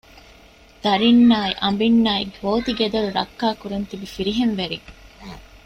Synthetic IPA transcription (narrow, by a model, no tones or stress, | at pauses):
d̪̥ɐɾinːaːiʔɐmbinːaːiɡhoːt̪iɡed̪ɐɾuɾɐ̰kːaːkuɾɐnt̪ibifiɾiɦenʋeɾiŋ